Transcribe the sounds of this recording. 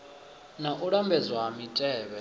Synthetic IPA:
naʔuɺambɛd͡zwaɦamitʼɛːβɛ

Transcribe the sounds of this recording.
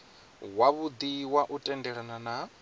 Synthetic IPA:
waβud̪iwaʔutʼɛndɛɺanana

